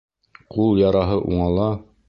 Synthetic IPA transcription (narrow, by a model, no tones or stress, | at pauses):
qulˠjɑɾɑɦɤʔuɴɑlˠɑ